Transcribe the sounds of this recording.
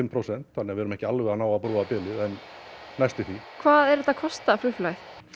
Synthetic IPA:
ɪmpʰɾowsɛn̥t̪θanɪavɛɛɾʏmɛhcɪalvɪanaːwapɾuːapɪːlɪðɛn | najst̪ɪθikʰvaːðɛɾɛt̪ːakʰɔst̪aflʏflajθ

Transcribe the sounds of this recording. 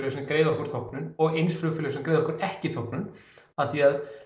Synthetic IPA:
lsɛmkɾeːjðɔhkʏɾ̥θowpnʏnɔɣejnsflʏfʏlʏsɛmkɾeːjðɔhkʏɾɛhcɪθowpnʏn | aðθiað

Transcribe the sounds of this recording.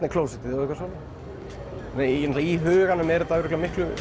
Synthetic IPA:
tnɪkʰloːwsɛt̪ɪðɔikvaɾsɔna | ɛnɛt̪laiɦʏːɣanʏmɛɾt̪aɾɛklamɪhklʏ

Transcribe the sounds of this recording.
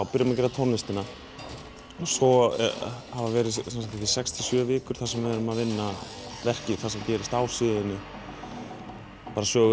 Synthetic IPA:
awpɪɾjamacɛːɾat̪ʰɔnːɪst̪ɪna | ɔsɔ | havavɛːɾɪðsansakt̪isɛkst̪ʰɪ̥sjœːvɪːkʏɾ̥θasɛmvɪɛɾʏmaðvɪnːa | vɛr̥cɪθasɛmcɛːɾɪst̪awsɪːðɪnːɪ | paːɾasœːɣʏ

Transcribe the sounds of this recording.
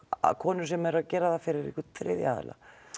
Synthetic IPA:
a̰kʰɔːnʏ̥sɛmɛɾaðcɛːɾaðafɪɾɪɾḭkʏθɾɪ̰ːðja̰ːðɪ̰la̰

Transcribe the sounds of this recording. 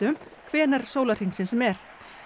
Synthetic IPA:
ʏmkʰvɛːnaɾ̥soːwlar̥iŋsɪnsɛmɛɾ̥

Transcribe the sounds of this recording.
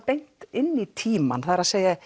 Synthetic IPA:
pejŋ̥t̪ɪnːit̪ʰiːma̰nθaðɾaðseːja

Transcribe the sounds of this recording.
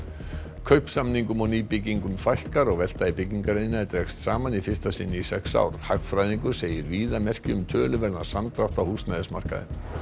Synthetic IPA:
kʰœɥhpsamniŋkʏmɔwniːpɪciŋkʏmfajhkaɾɔɣvɛl̥t̪aipɪcːiŋkaɾejɪnaɛɾt̪ɾɛkst̪saːmanifɪr̥st̪asɪnːɪisɛksa̰ːwɾ̥hakfɾajðiŋkʏɾ̥seːjɪɾviːðamɛr̥cʏʏmt̪ʰœːlʏvɛɾnḁsant̪ɾaft̪awhust̪najðɪsma̰r̥ka̰ðɪ̰m

